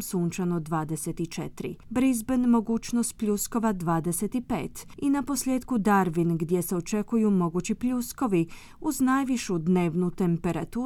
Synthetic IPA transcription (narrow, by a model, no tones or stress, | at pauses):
msuːnt͡ʃanod̪ʋaːd̪eset̪it͡ʃet̪ɾḭbɾizbenmo̞ɡuːt͡ʃnost̪̚pʎʲusko̞ʋad̪ʋaːd̪eset̪ipḛːt̪inapo̞slʲjeːd̪kud̪aɾʋinɡd̪je̞seo̞t͡ʃekujumo̞ɡut͡ɕipʎusko̞ʋi | uznajʋiʃud̪ne̞ːʋnut̪e̞mpe̞ɾat̪uː